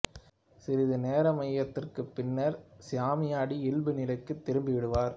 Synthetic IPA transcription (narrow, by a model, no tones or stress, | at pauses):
sɪɾɪðɯneːɾɐmɐjːɐt̪ːɪrkɯpːɪnːɐɾsɪjaːmɪjaːɽiɪlbɯnɪlɐɪkːɯt̪ːɪɾɯmbɪʋɪɽɯʋaːɾ